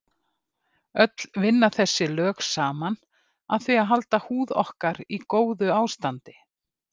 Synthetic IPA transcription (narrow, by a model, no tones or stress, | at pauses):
œt̪l̥vɪnːaθɛsːɪlœːksaːman | aðθviaðɦalt̪ahuːðɔ̰hkaɾikoːwðʏaːwst̪ant̪ɪ